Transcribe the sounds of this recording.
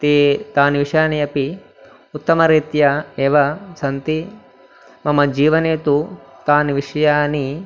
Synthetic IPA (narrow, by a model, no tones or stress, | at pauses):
t̪eːt̪aːnʋiʂjaːniɐpi | ut̪ːɐmɐɾiːt̪jɐeːʋɐsɐnt̪i | mɐmɐd͡ʒiːʋɐneːt̪ut̪aːnʋiʂɐjaːni